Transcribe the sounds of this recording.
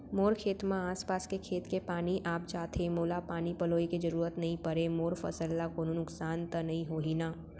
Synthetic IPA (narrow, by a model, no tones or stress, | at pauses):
moːɾkʰeːt̪mãaːspaːskekʰeːt̪kepaːniʔaːp̚t͡ʃaːt̪ʰemoːlapaːnipɐloːikid͡ʒɐɾuːɾət̪nɐɦĩpɐɾemoːɾfɐ̰səlːakoːnonʊksaːnt̪ənɐɦĩɦoːɦinaː